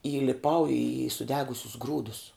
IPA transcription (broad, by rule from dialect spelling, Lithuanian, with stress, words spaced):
iːlʲɪˈpɐʊ iː sʊˈdʲæːɡʊsʲʊs ˈɡruːdʊs